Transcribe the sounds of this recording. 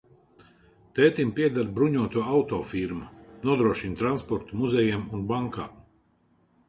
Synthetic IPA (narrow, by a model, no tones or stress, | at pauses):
t̪ɛːt̪impiɛd̪aɾbɾuɲuɔt̪uɔawt̪ɔːfiɾmunuɔd̪ɾuɔʃint̪ɾanspɔɾt̪umuzɛjɛmunbaŋka̰ː